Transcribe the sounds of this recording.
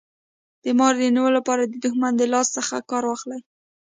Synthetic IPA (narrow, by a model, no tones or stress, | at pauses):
d̪̥əmɑɾd̪əniwəlːapɑɾad̪əd̪ʊxmand̪əlɑst̪səxa̰kɑɾwɑxlaj